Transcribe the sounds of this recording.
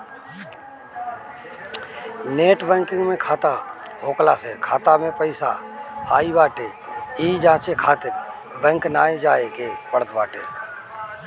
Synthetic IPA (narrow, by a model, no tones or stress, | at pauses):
neːʈbɛ̃ːŋkɪ̃ŋɡmẽkʰaːt̪aɦoːkla̰sekʰaːt̪amẽpəɪsa̰aːibaːʈe | iːd͡ʒãːt͡ʃekʰaːt̪ɪɾ | bɛ̃ŋknaːẽd͡ʒaːekepəɽət̪ʰbaːʈḛː